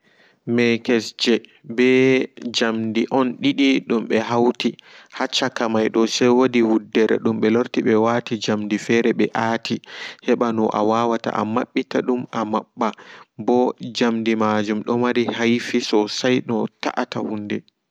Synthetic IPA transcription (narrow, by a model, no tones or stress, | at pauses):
mɛkɛsd͡ʒɛ | bɛd͡ʒamdiʔɔnɗiɗiɗumɓɛɦawtihat͡ʃːakamajɗɔsɛjwodihudːɛɾɛ̰ɗumɓɛloɾtiɓɛwatid͡ʒamdifɛɾɛɓɛʔatʰihɛɓanɔʔa̰wawata̰ʔa̰maɓːitaɗumamaɓːabɔd͡ʒamdimad͡ʒumɗɔmaɾihajfisɔsajɗɔta̰ʔatahundɛ